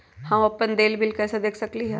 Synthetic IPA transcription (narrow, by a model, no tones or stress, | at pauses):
hãmɐpːənd̪eːlbɪlkɛːsad̪eːkʰsɐkliɦɛ̰ː